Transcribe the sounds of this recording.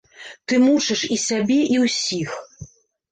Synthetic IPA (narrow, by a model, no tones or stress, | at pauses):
t̪ɨmut͡ʂɨʂisʲabʲɛʔiwsʲix